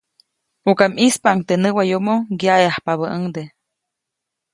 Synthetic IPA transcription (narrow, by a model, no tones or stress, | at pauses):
ukamispaaŋt̪enəwajomoɡjajahpaβəʔəŋd̪e